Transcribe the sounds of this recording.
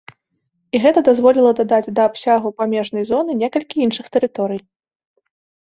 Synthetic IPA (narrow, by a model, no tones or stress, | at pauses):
iɣɛt̪ɐd̪azvɔlʲilˠɐd̪ad̪ad͡zʲd̪ɐːpsʲaɣupamʲɛʐn̪ɐjzɔnɨnʲɛkɐlʲkʲiinʂɨxt̪ɛɾɨt̪ɔɾɨj